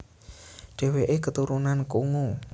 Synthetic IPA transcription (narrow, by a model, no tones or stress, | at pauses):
ɖ̥e̤weʔekət̪uɾunankuŋo